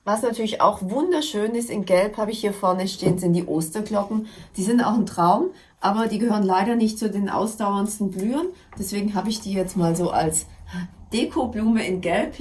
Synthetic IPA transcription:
vasnatʰyɐlɪça̰ʊxvʊndɐʃøːnɪstɪnɡɛlphaːbɪçhiːɐfɔɐnəʃteːənzɪntd̥iːʔoːstɐɡlɔkŋ̩d̥iːzɪnta̰ʊxɪntʁ̥aʊm | ʔaːbɐdiːɡəhøːʁənlaɪɾɐnɪçt̚t͡sudeːnʔa̰ʊsd̥aʊɐnstn̩blyːənd̥ɛsv̥eːɡŋ̩ɦaːbəɪçd̥iːjɛt͡stmaːlzoːʔa̰lsd̥eːkʰobluːməɪnɡɛlp

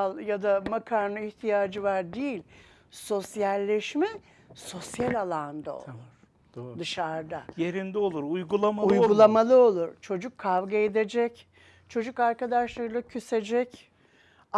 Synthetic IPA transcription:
ljad̪amakʰaɾnˠɯiçt̪ʰijaːd͡ʒɯvaɾd̪ejilʲ | so̞sjælʲːɛʃmɛ | so̞sjalʲalˠand̪a̰o̰lˠuɾ̥ | d̪ɯʃaɾd̪ajeɾind̪ɛo̞lˠuɾujɡulˠamaujɡulˠamalˠɯo̞lˠuɾt͡ʃʰo̞d͡ʒukʰːavɡaed̪ed͡ʒɛc | t͡ʃʰo̞d͡ʒukaɾkad̪aʃlˠaɾɯlˠacʰysed͡ʒɛc

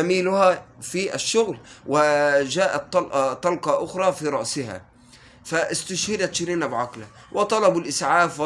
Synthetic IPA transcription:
amiːlʊhafiʔaʃːʊɣlwɪʒaːʔat̪ːɑlʔt̪ˤːɑlqɑʔʊxɾˤɑfiɾˤɑʔsɪha̰ | faʔɪst̪aʃhɪd̪at̪ʃɪɾiːnabʕaqla | wʔɪt̪ˤɑlɑbulʔɪsʕaːfw

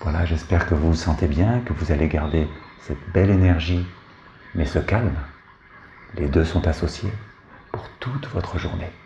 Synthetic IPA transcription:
vwalaʒɛspɛʁkəvusɑ̃t̪ebjɛ̃kəvuzaleɡaʁd̪esɛt̪bɛlenɛʁʒi | mɛsəkalm | led̪øsɔ̃t̪asɔsje | puʁt̪ut̪vɔt̪χəʒuʁne

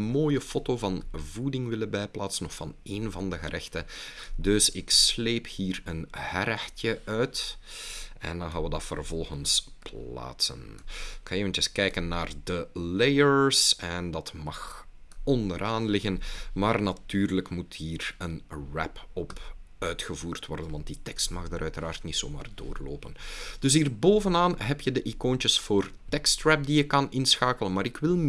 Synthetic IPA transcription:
moːjəfoːtoːvɑnvudɪŋʋɪləbɛjplaːtsənɔxfɑneːnvɑndəɣəɾʔɛxtədɵsɪksleːphiːrənhɛɾɛxtjəœɥt | ɛ̰ndɑ̃nxaːʋədɑtfə̰rvɔlˠɣənspllla̰ːtsə̰nɪkxɑneːvəntəskɛjkənːaːrdəlejəɹsɛndɑtmɑxɔndəɾʔaːnlɪɣənmaːrnatyːrləkmuthiːrənrɛ̰pɔpœɥtxəvuːrtwɔrdənʋɑnt̚ditɛkstmɑxdaːɾʔœɥtəɾaːrtnitso̰ːma̰ːrdo̰ːrlo̰ːpənd̥ɵs̬iːrboːvənaːnɦɛpjədəʔikoːnt͡ʃəsfoːrtɛkstɹɛp̚dijəkɑnɪnsxaːkələnmaːɾɪkʋɪlˠ

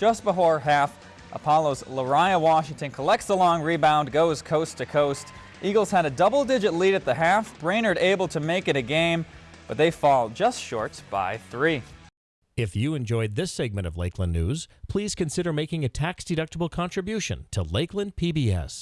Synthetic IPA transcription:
d̥ʒ̥ʌst̚b̥əfɔɹɦæf | ʔə̰pʰɑlˠoʊzləɹaɪəwɑʃɪ̃ŋtɨ̃nkʰəlɛk̚tsəlɔ̃ŋɹibãʊ̃nɡoʊz̥kʰoʊstʰɨkʰoʊst | ʔiɡl̩ˠz̥ɨɾɨdʌbl̩ˠdɪd͡ʒɨtˡliɾɨt̪̚ðɨɦæfb̥ɹẽɪ̃nə˞ɾeɪbl̩ˠtʰɨmeɪkɨ̃ɾ̃ɨɡẽɪ̃mb̥ʌt̪̚ðeɪfɔlˠd͡ʒʌstʃɔ̰ɹt̚b̥a̰ɪθɹi | ɪfjɨɨ̃nd͡ʒɔɪd̪̚ðɪsɛɡ̚mɨ̃ɾ̃ʌ̰vleɪkʰlə̃nːʉ̰z̥pʰl̥iz̥kɨ̃nsɪɾə˞meɪkɪ̃ŋɨtʰæksd̥ɨɾʌk̚təbl̩ˠkʰɑ̃ntɹ̥ɨbjʉʃɨ̰̃ntʰəleɪklə̃npʰibiɛ̰s

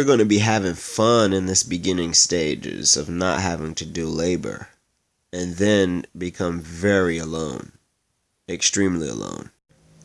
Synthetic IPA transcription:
wəɹɡõʊɪ̃ŋtʰɨbiɦævɪ̃ŋfʌ̃nɨ̃nðɪsb̥ɨɡɪ̃nɪ̃ŋsteɪd͡ʒɪ̰zʌ̰vnə̰t̚ɦævɪ̃ŋtʰɨdɨleɪbə̰˞ | ɨ̃nðɨ̃nbɨkʰʌ̃ɱvɛɹiəlõʊ̃n | ɨkstɹ̥ĩmliə̰lõ̰ʊ̃n

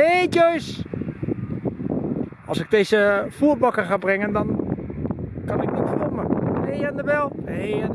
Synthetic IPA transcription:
neːtøjs | ʔɔlˠsɪk̚deːzəfuəbɔkəxaːbrɪŋəndɔn | kɑnɪk̚nitfoməejɛndəʋɛlˠe

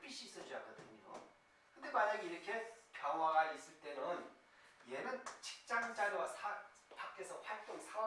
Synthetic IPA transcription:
p͈iɕ͈iːs͈ʌd͡ʑuak͈ʌdɯɲo̰ | kʰɯnd̪e̞maɲaɡiiɾʌkʰe̞pjʌŋwaɡais͈ɯɭt͈e̞nɯn | jenɯnt͡ɕi̥k̚t͡ɕ͈aŋd͡ʑaɾowasʰa | pak͈ʰe̞sʰʌɸwaɭt͈oŋsʰa

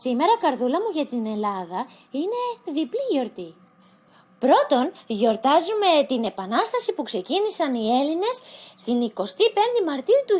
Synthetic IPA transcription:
sime̞ɾɐkɐɾðulɐmuʝɐt̪ine̞lɐðɐ | ine̞ðipliʝo̞ɾt̪i | pɾo̞t̪o̞nʝo̞ɾt̪ɐzume̞t̪ine̞pɐnɐst̪ɐsipukse̞cinisɐnie̞line̞st̪iniko̞st̪ipe̞nd̪emɐɾt̪iut̪u

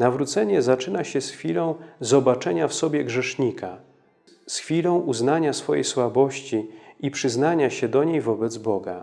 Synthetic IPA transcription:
navɾut̪sɛɲɛzat͡ʂɘnaɕɛsxfʲilɔ̃w̃zɔbat͡ʂɛɲafsɔbʲjɛɡʐɛʂɲikʰa | sxfʲilɔ̃w̃ʔuznaɲasfɔjḛjswabɔɕt͡ɕiipʂɘznaɲaɕɛd̪ɔɲejvɔbɛd̪zbɔɡa̰

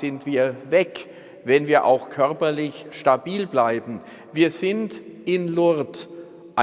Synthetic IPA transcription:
ɪntv̥iːɐvɛk | vɛnviːɐʔa̰ʊxkʰœɐpɐlɪçʃtabiːlblaɪbm̩ | viːɐzɪntʔɪnlʊɐt | ʔa

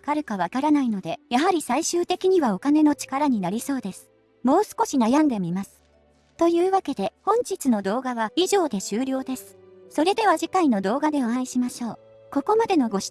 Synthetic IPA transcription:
kaɾɯkaβ̞akaɾanaino̞d̪e̞jaɦaɾʲisaiɕɨːt̪e̞kʲiɲ̟iβao̞kane̞no̞t͡ɕi̥kaɾaɲ̟inaɾʲiso̞ːd̪e̞sɨ̥ | mo̞ːsɨ̥ko̞ɕinajãnd̪e̞mʲimasɨ̥ | t̪o̞jɯ̟ːβake̞d̪e̞hõ̞ɲ̟t͡ɕit͡sɨno̞d̪o̞ːɡaβaiʑo̞ːd̪e̞ɕɨːɾʲo̞ːd̪e̞sɨ̥ | so̞ɾe̞d̪e̞βaʑikaino̞d̪o̞ːɡad̪e̞oãiɕimaɕo̞ː | ko̞ko̞mad̪e̞no̞ɡo̞ɕ

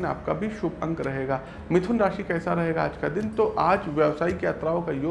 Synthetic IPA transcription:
na̰ːp̚kabʱiʃʊbɐ̃ŋɡɾɐɦeːɡaː | mɪt̪ʰʊnɾaːʃikɛːsaɾɐɦeːɡaaːd͡ʒkad̪ɪnt̪oʔaːd͡ʒʋjɐʋsaːikeɐt̪ɾaːõkajoː

